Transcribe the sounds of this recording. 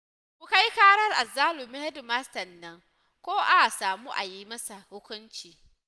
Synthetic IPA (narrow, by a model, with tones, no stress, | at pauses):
mʊ˨ka˦ji˦kaː˦ɽɐ˦rʔa˨zaː˦lu˨mi˦hɛ˦dmaː˦stɐ˨nːɐ˦ŋ | kʷoː˦ʔa˦a˨saː˨muː˦ʔa̰˨jiː˦mɐ˦sa˨hʊ˦kʷʊ˦nt͡ʃiː˨